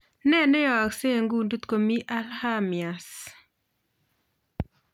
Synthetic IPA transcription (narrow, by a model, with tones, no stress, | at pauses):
nɛ˦ne˦jɔ˨a˨kse˦˨ŋɡu˦ndu˦t̪ko˨mi˦ʔa˦lha˦mja˨s